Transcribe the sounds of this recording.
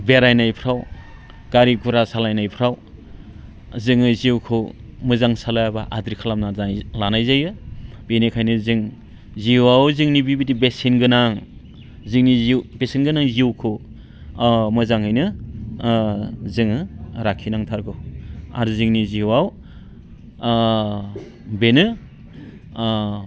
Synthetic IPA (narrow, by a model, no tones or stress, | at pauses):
beɾajnajpʰɾaw | ɡ̥aɾiɡuɾasalajnajpʰɾaw | zɯŋɯzwkʰɯwmɯzaŋsalajabaʔadɾikʰalamnalanajzajɯ | b̥enekʰajnɯzɯŋ | ziwawzɯŋnibibidibesinɡɯnaŋ | zɯŋnizbesenɡɯnaŋziewkʰɯw | mɯzaŋɦɯjnɯ | zɯŋɯɾakʰinaŋtʰaɾɡʰɯwa̰ɾuzɯŋniziwaw | benɯ